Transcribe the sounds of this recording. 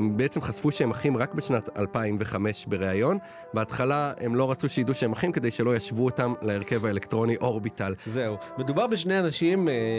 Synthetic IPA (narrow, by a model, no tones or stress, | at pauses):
embeet͡se̞mχazfuʃeemaχimʁakbeʃnata̰lpaimveχame̞ʃbe̞ʁe̞ajo̞n | beatχalae̞mlo̞ʁat͡suʃejiduʃeemaχimke̞d̪e̞jʃe̞lo̞jaʃvuotamlaeʁke̞vaelektʁo̞niʔo̞ʁbitalzeumed̪ubaʁbeʃ̬neanaʃim